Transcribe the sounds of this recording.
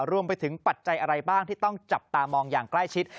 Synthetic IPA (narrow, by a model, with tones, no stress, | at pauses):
ɾu˧əmpa˧jt̪ʰɯ˨˩˦ŋpa˨˩t̪̚t͡ɕa˧jʔa˧ɾa˧jbaː˥˩ŋt̪ʰiː˥˩t̪ɔ˥˩ŋt͡ɕa˨˩p̚t̪aː˧mɔː˧ŋjaː˨˩ŋkla˥˩jt͡ɕʰi˦˥t̪̚